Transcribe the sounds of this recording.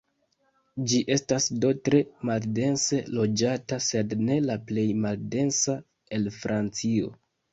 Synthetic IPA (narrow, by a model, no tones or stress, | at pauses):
d͡ʒiʔe̞stasdo̞tɾe̞malde̞nse̞lo̞d͡ʒatase̞dne̞laple̞jmalde̞nsa | e̞lfɾʔant͡sio̞̰